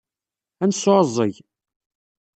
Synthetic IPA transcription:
ænsːoɾzˤːəʝ

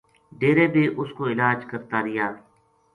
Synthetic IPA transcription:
ɖeːɾeːbeːʔʊskoːɪlaːd͡ʒkəɾt̪aːɾɪjaː

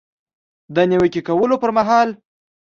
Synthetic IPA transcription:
d̪əniwəkikawəlopəɾmaɦɑl

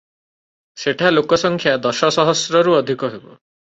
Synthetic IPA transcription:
seʈʰalokɔsɔŋkʰjad̪ɔʃɔsɔɦɔsɾɔɾuɔd̪ʱikɔɦebɔ̰

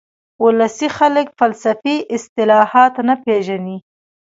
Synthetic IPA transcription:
ʊlasixaləkfalsafiʔɪst̪ɪlɑhɑt̪anapeʒani

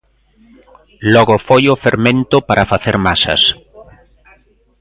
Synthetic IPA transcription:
lɔɣofojʊfeɾmẽnt̪ʊpaɾafaθeɾmasɐ̰s

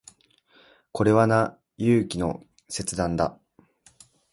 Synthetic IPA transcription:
ko̞ɾe̞βana | jɯːkʲino̞̰ | se̞t͡sɨd̪ãnd̪a̰

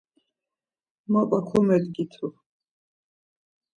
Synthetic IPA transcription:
mapʼakʰɔmɛd̪ɡit̪ʰu

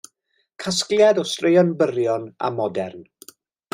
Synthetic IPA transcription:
kʰasklˠjadɔstrejɔnbəɾjɔna̰mɔdɛrn

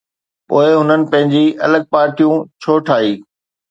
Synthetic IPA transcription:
poːɪɦʊnənɪ̆pɐ̃ɦɪ̃ɲd͡ʑiʔɐləɡ̚paːɾʈijũt͡ɕʰoːʈʰaːiː

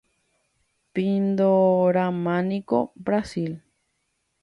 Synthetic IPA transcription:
pind̪oɾamãnikobɾasil

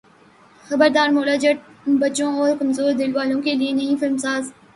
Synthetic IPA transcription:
xɐbəɾd̪aːɾmoːlaːd͡ʒɐʈ̚bɐt͡ʃõɔːɾkɐmzoːɾd̪ɪlʋaːlõkelienɐɦĩfɪlmsaːz

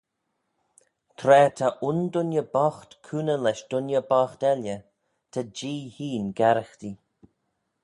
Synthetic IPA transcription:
t̪ʰɾɛːt̪ʰaʔʊnd̪ʊnjəbɔxt̪kʰuːnəlɛʃd̪̥ʊnjəbaːxt̪ɛljə | t̪ʰad͡ʒiːhiːnɡaɾəxt̪i

